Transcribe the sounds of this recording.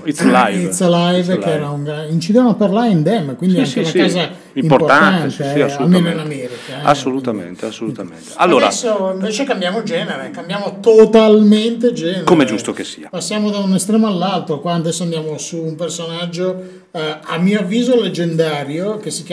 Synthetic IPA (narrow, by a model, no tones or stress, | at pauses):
lajit̪slajvkeɛːɾauŋɡaint͡ʃid̪ɛvanoapːarlaɾeind̪ɛmːkwind̪iaŋkeunakaːza | iimpoportaant̪ealmeːnoinamɛːɾikaɛa̰sːolut̪amḛnt̪easːolut̪amḛnt̪ea̰lːoːdɾaɛ̰sːoiɱveːt͡ʃekambjaːmod͡ʒɛːneɾekambjaːmot̪ot̪alment̪ed͡ʒɛːneɾkomɛd͡ʒust̪okesiːapasːjaːmod̪aunest̪ɾɛːmoalːalt̪okwaːnd̪ɛsːoand̪jaːmosuːmpersonad͡ʒːo | amːiːoavːiːzoled͡ʒend̪aːɾjok̟esik